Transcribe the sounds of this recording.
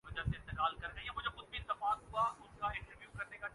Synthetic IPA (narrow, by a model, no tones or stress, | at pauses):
ʊd͡ʒaseɪ̃nt̪ɪkaːlkɐɾɡɐijãmʊ̃d͡ʒaxʊd̪̚biɪ̃nt̪ɐfaːk̪ɦʊaʊnkaɪ̃ɳʈəɾʋjuːkɐɾneka